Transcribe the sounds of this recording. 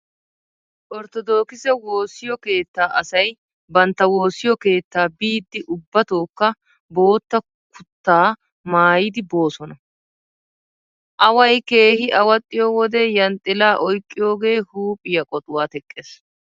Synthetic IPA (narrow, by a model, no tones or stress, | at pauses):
ʔɔɾt̪ɔd̪o̞ːkɪsɛwo̞ːsɪjɔke̞ːt̪ːaːʔɐsɐj | bɐnt̪ːɐwo̞ːsɪjɔke̞ːt̪ːaːbiːd̪ːɪʔʊbːɐt̪o̞ːkːɐ | bo̞ːt̪ːɐ | kʊt̪ːaː | maːjɪd̪ɪbo̞ːsɔnɐ | ʔɐwɐjke̞ːhɪʔɐwɐt̪ʼːɪjoːwɔd̪ɛjɐnt̪ʼɪlaːʔɔjkʼːɪjo̞ːɡe̞ːhuːpʼːɪjɐkʼɔt̪ʼʊwaːt̪ɛkʼːeːs